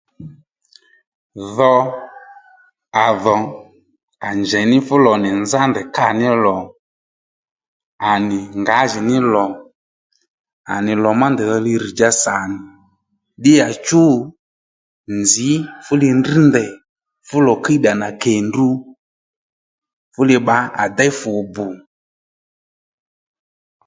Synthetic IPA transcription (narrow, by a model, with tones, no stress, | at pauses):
ðɔ˧ | a˨ðɔ˨ | a˨nd͡ʒɛ˨nɪ˦fʊ˦lɔ˨nɪ˨nza˦ndɛ˨ka˦˨nɪ˦lɔ˨ | a˨nɪ˨ŋɡa˨˦ʒi˨nɪ˦lɔ˨ | a̰˨nɪ˨lɔ˨ma˦ndɛ˨ðɔ˧li˧ɾi˨d͡ʒa˧sa˨nɪ˨ | ɗɪ˦ja˨t͡ʃu˦ | nd͡zzɪ˨˦fʊ˦lɪ˧ndi˦ndɛ˨ | fʊ˦lɔ˨ka˦i˦ɗa˨na˨kɛ˨ndu˧ | fʊ˦lɪ˧ɓa˨˦a̰˨da˦jfʊ˨bʊ˨